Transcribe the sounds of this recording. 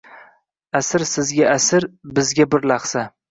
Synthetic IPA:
asɪɾsɪzɡʲaʔasɪɾbɪzɡʲabɪɾlaχsa

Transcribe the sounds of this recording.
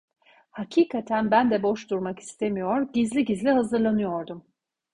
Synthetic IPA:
hacʰiːkʰat̪ʰænbænd̪ɛbo̞ʃd̪uɾmaki̥st̪ʰe̞mijo̞ɾɟizlʲiɟizlʲiɦazɯɾlˠanɯjo̞ɾd̪um

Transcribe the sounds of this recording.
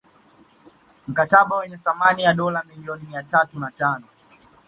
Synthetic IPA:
m̩kataɓawɛɲɛθamanijaɗɔlamiliɔnimiatatunatanɔ

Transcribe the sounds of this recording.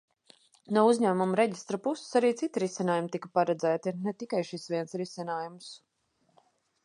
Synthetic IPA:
nuɔuzʲɲæːmumɾɛɟist̪ɾɐpusɪ̥saɾiːt̪sit̪iɾisinaːjumt̪ikɐpaɾɛd̪zæːt̪inɛt̪ikajʃisvʲiɛnsɾisinaːjums

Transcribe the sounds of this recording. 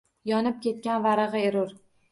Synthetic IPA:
jɒnɪp̚kʲe̞t̪̚kʲanvaɾɨʁɨeɾʊɾ

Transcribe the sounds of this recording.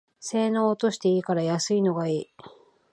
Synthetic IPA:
se̞ːnoːt̪o̞ɕi̥t̪e̞iːkaɾajasɨino̞ɡaiː

